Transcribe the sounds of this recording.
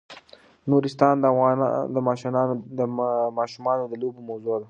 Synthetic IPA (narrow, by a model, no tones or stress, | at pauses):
nuɾɪst̪ɑnd̪əɣɑd̪əmɑːʃnɑəmɑʃumɑnod̪əlobomawzod̪a